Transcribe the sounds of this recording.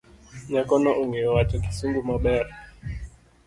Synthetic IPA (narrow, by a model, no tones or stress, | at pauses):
ɲakɔnɔʔuŋɡɛwat͡ʃaki̥suŋɡumaɓɛɾa